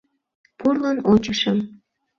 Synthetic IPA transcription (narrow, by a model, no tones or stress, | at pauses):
purlənot͡ɕəʃəm